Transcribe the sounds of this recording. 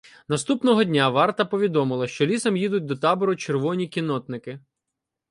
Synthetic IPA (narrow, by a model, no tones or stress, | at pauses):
nɐst̪upnɔɦɔdʲnʲaʋɑrt̪ɐpɔʋʲid̪ɔmɪlˠɐʃt͡ʃɔlʲisɐmjid̪ʊt̚ʲd̪ɔt̪ɑbɔɾʊt͡ʃerʋɔnʲikʲinɔt̪nɪkɪ